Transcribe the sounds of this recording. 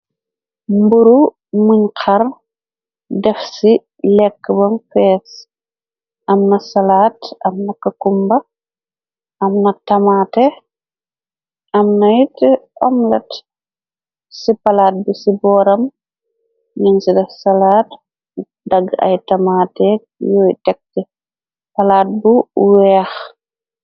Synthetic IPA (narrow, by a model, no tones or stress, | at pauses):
mbuɾu | muɲqʰɐr | dɛfsi | lɛkːəbɐmfɛːs | ʔɐmnɐsɐlaːtɐmnɐkɐkumbɐ | ʔɐmnɐtɐmaːtɛ | ʔɐmnɐjtʔɔmlɐt | sipɐlaːt̚busibɔːɾɐm | ɲuŋsidɐsɐlaːt | dɐɡɐ̰jtɐmaːtɛk̚jɔjtɛk̚tɛ | pɐlaːt̚buwɛːx